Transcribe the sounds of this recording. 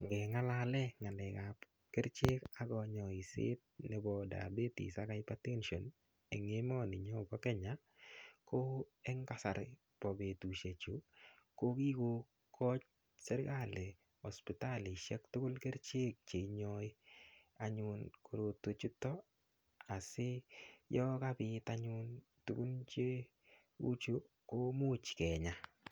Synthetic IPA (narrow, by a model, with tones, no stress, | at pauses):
ŋɡɛ˨ŋa˦lalɛ˦ŋa˨nɛ˨kap | ke˦ɾt͡ʃe˦ka˦ɡɔ˨ɲɔ˨i˨sɪ̰˦t̚ne˦bɔ˨da̰˨be˦tḭ˨sa˦ka˦jpa˦te˦nʃo˨n | e˨ŋe˦mɔ˦ni˨ɲɔ˦bɔ˦kɛ˦ɲa˨ | ko˦ɛ˦ŋka˦sa˨ɾ | pɔ˨be˨tu˨ʃe˨t͡ʃu˨ko˦ki˦ko˧ | kʰɔ˦t͡ʃ | sɛ˦ɾka˦le˨ | ɔ˨spɪta˦li˨ʃɛ˦ktʊ˦kʊ˦lkɛ˦ɾt͡ʃe˦k̚t͡ʃe˨iɲɔ˦j | aɲʊnko˨ɾo˨to˦t͡ʃu˦tːɔ˦ | a˨sɪ˦jɔ˦ka˦bɪ˦taɲʊn | tu˨ku˦nt͡ʃe˦ | ṵ˦t͡ʃu˦ | ko˦mu˦t͡ʃkɛ˨ɲa˨